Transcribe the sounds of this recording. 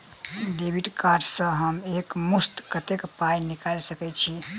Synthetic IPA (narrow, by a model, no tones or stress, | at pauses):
d̪ebiʈkaʈsə̃ɦəmekmust̪kət̪ekpajnikalsəkɛt͡ʃʰi